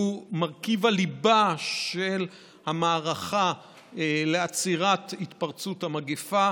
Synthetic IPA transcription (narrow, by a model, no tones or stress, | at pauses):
umaʁkivalibaʃe̞l | hamaːʁaχa | leat͡siʁat̪hit̪paʁt͡suthamaɡefa